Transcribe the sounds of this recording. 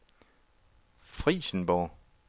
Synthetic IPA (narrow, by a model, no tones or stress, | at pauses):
fʁiːsən̩b̥ɒː